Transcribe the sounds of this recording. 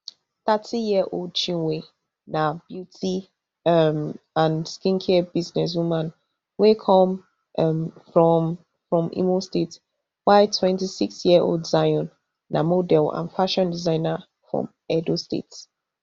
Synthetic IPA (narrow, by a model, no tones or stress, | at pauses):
θatʰijiəʔoldt͡ʃĩnwe | nab̥jutʰi | ʌm | ãnskĩnkʰɛbiznɛs̬wimãn | wekʰɔ̃m | ʔmfɹɔm | fɹɔ̃mḭmostet | waɪtʰwɛ̃ntisiksjiəʔo̰ldzajɔ̃nː | a̰modɛlã̰nfaʃɔ̃ndizãɪ̃na | fɹɔ̰̃m | ɛdostḛts